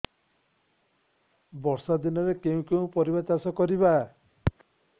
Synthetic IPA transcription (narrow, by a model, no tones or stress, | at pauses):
bɔɾsad̪inɔɾekeũkeũpɔɾibat̪asɔkɔɾiba